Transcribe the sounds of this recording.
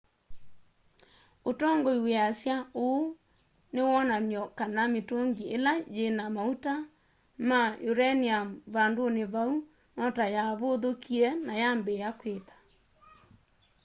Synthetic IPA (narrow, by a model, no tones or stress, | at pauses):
otɔːŋɡɔiweasjaoː | newɔnanjɔkanametoŋɡiʔelajenamauta | majoɾɛniamβandoneβau | nɔtajaβoðokʰiɛnajambɛjakweːtḁ